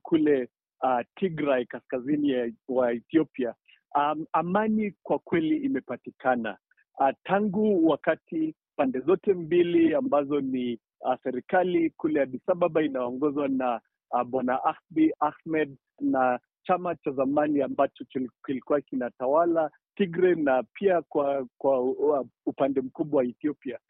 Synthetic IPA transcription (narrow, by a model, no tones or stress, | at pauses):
kʰulɛ | atʰiɡɾajkaskaziniwaɛθiɔpia | amanikwakwɛliːmɛpatikana̰ | taŋɡuwakati | pandɛzɔtɛmbiliambazɔni | asɛɾikalikulɛjaɗisaɓaɓainaɔŋɡɔzwana | ɓanaʔaxbiaxmɛd | na | t͡ʃamat͡ʃazamaniambat͡ʃɔt͡ʃkilikuwakinatawala | tiɡɾɛnapʰiakwakwa | upandɛm̩kuɓwawaɛθiɔpia